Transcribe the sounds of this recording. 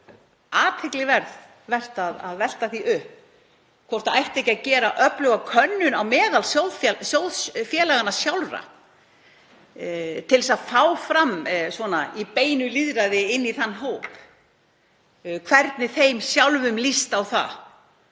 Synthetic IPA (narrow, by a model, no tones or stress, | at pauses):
aːt̪ʰhɪklɪɣvɛɾð | vɛr̥t̪aða̰ðvɛl̥t̪aθiʔʏhp | kʰvɔwr̥t̪aajht̪ɛhcːacɛːɾaʔœplœɣakʰœnːʏnawmɛːɣalsowðfsjowðsfjɛːlaɣanasjawlɾa̰ | t̪ʰɪlsaðfaːwfɾamːsvɔnaipeːjnʏliðɾaðɪɪnːiθanːɦowp | kʰvɛɾt̪nɪθejmsjawlvʏmlist̪awθa̰